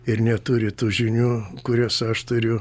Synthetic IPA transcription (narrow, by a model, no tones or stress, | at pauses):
ɪrnʲɛt̪ʊɾʲɪt̪uːʒʲɪnʲuːkʊɾʲɛsɐʃt̪ʊɾʲʊ